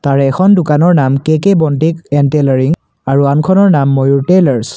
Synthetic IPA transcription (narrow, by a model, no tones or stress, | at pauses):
taɹɛːxʰɔndʊkanɔɹnamkekebɔntikɛntɛlɛɹiŋ | aɹuankʰɔnɔɹnamːojuɹtelɛɹs